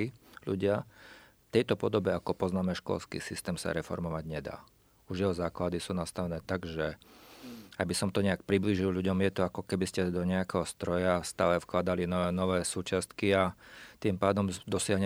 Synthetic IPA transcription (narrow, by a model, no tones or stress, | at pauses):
iʎṵɟɪa | ft̪ɛjt̪ɔpɔd̪ɔbɛakɔpɔznaːmɛʃkɔ̰lskḭːsist̪ɛːmsa̰ɾɛfɔ̰ɾmɔʋaɟɲɛd̪a̰ː | uʒjɛɦɔzaːklad̪isuːnast̪aʋɛnɛːt̪aɡʒɛ | aɡbisɔmt̪ɔɲɛak̚pɾibliːʒilʎuɟɔmjɛt̪ɔakɔkɛbiscɛd̪ɔɲɛakɛɦɔst̪ɾɔjafst̪aːlɛfklad̪alinnɔʋɛːsuːt͡ʃast̪kiat̪impaːd̪ɔmd̪ɔsɪaɦɲ